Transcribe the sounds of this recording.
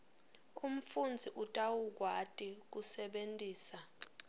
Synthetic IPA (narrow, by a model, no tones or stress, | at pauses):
um̩fund͡zʱiʔutʼawuk̬watʼik̬usɛɓentʼiːsa